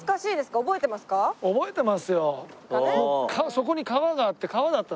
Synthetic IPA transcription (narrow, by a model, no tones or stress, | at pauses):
kaɕiːd̪e̞sɨ̥kaobo̞e̞t̪emasɨ̥kaobo̞e̞t̪e̞masɨjo̞kokʰaso̞ko̞ɲ̟ikaβaɡaːt̪ːe̞kaβad̪at̪ːa